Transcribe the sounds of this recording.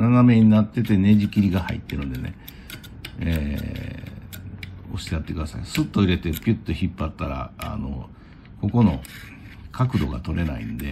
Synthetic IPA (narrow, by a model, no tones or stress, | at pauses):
naname̞ɲ̟inat̪ːe̞t̪e̞ne̞ʑikʲiɾʲiɡahaḭt̪ːe̞ɾɯ̟̃nd̪e̞ne̞̰ | e | o̞̰ɕi̥t̪ejat̪ːe̞kɯ̟d̪asa̰isɨt̪ːoiɾe̞t̪e̞pʲit̪ːoçipːat̪ːaɾa̰a̰no̰ | ko̞ko̞no̞̰ | kʰakɯ̟d̪o̞ɡa̰t̪o̞ɾe̞naḭnd̪e̞